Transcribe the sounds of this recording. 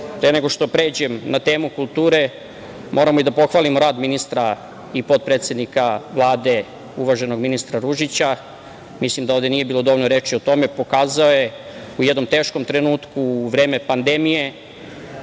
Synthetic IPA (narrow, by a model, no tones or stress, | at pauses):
pɾeneɡo̞ʃt̪o̞pɾe̞ːd͡ʑe̞mnat̪e̞ːmukulˠt̪uːɾe̞ | mʔo̞ːɾamoid̪apo̞xʋaːlimoɾaːd̪minist̪ɾa | ipo̞d̪̚pɾeːt̪sʲe̞d̪nikaʋlˠaːd̪e̞ | uʋaʒe̞no̞ɡminist̪ɾaɾuʒit͡ɕa | mislimd̪aoʋd̪e̞nijebiːlˠo̞d̪o̞ʋoʎnoɾe̞ːt͡ʃiot̪o̞me̞po̞kaːzao̞je̞ | ujed̪no̞mt̪e̞ːʃko̞mt̪ɾe̞nuːt̪kuːʋɾe̞ːme̞pand̪e̞mije̞